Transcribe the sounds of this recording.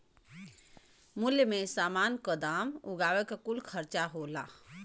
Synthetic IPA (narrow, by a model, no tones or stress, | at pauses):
muljəmesamankəd̪amuɡawɛkekulkʰəɾt͡ʃaɦola̰